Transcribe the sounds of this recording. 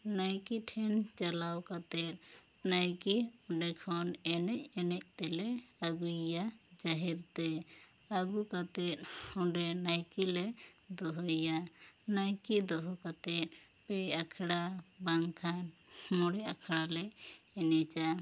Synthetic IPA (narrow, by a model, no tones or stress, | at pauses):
najkiʈʰɛnt͡ʃalawkat̪ɛt̪̚ | najkiɔɖɛkʰɔnɛnɛc̚ɛnɛc̚ˀt̪ɛlɛaɡujad͡ʒaɦiɾt̪ɛ | aɡukat̪ɛt̪̚hɔɖɛnajkilɛd̪ɔɦɔjanajkid̪ɔɦɔkat̪ɛt̪̚ | pɛakʰɽabaŋkʰan | mɔɽɛakʰɽalɛ | ɛnɛt͡ʃa